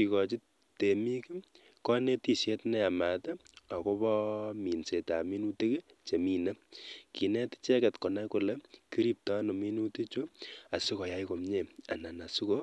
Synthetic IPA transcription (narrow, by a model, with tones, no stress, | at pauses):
i˨kɔ˨t͡ʃi˦ | te˨mi˦ki˦ | kɔ˦ne˦ti˦sje˦tnɛ˦a˨ma˨tɛ˦a˨ko˦bɔ˦mi˨nse˨ta˨mi˦nu˦te˦ke˦t͡ʃe˨mi˨na˦ki˨nɛ˦ti̥˦t͡ʃɛ˦kɛ˨tkɔ˨na˦ku˨le˨ki˦ɾi˦p̚tɔ˦no˨mi˦nu˦te˦t͡ʃo˦a˨si˦kɔ˨ja˦jko˨mɲe˦˨a̰˨na˨na˨su˦ko˦